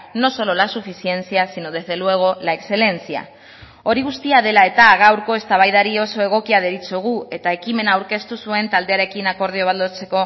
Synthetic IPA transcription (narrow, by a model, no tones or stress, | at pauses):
no̞so̞lo̞lasufisie̞nt͡siasinoð̞e̞zðe̞lue̞ɣ̞o̞laekse̞le̞nt͡sia̰ | o̞ɾiɣust̪iaðe̞lae̞t̪aːɣawɾko̞e̞st̪aβ̞ajðaɾio̞so̞e̞ɣ̞o̞kiað̞e̞ɾit͡soɣ̞ue̞t̪ae̞kime̞naːwɾke̞st̪usue̞nt̪ald̪e̞aɾe̞kinako̞ɾð̞ioβald̪ot͡se̞ko̞